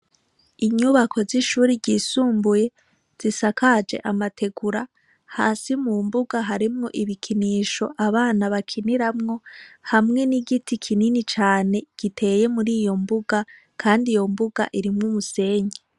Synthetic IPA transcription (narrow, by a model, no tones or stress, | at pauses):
iɲuβakʰo̞ziʃuːɾiɟisuːmbuje̞ | z̥isakad͡ʒe̞̰ʔamatʰe̞ɡuɾa | ha̰ːsimumbuɡaɦaɾimŋo̞̰ʔiβikʰiniːʃo̞ʔaβaːnaβakʰiniɾamŋo̞hamŋe̞niɡitʰikʰininit͡ʃaːne̞ɡ̥itʰe̞je̞muɾiːjo̞mbuɡa | kʰaːndijo̞mbuɡa̰ʔiɾimŋumuse̞ːɲe